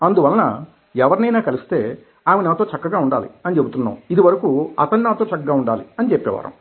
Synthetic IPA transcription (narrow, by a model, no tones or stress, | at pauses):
ɐnd̪uʋɐlɐnɐ | ɛʋɐɾinɐjnaːkɐlist̪e̞ː | aːmenaːt̪o̞ːt͡ʃɐkːɐɡaːuɳɖa̰ːlḭɐnit͡ʃebut̪unːa̰ːmuid̪iʋɐɾɐkuɐ̰t̪ɐninaːt̪o̞ːt͡ʃɐkːɐɡaːuɳɖaːlḭɐnit͡ʃepːɛ̰ːʋa̰ːɾɐ̰m